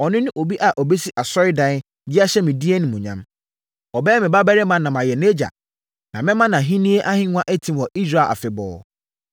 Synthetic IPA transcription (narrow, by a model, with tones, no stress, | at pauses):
ɔ˨nɪ̃˦nʊ̃˦ʔo˨bi˦ʔa˨ʔɔ˨be˦si˦ʔa˨sɔ˦ɾɪ˦dã˦n˦ | d͡ʑɪ˦a˦ɕɛ˦mɪ̃˨di˦e˦nɪ̃˨mũ˨ɲã̰˦m | ɔ˨bɛː˦ɛ˦mɪ̃˨ba˦bɛ˦ɾɪ˦mã˦nã˨mã˨jɛ˨ne˦d͡ʑa̰˨ | nã˨mɪ̃˦mã˦nã˨ɦĩ˦nĩ˦e˦ʔa˦hɪ̃˦ŋ˦ã˦ʔe˦tʰĩ˦˨wɔ˨ʔi˦sɾa˦˨lʔa̰˨fɪ˨bɔ̰ː˨˦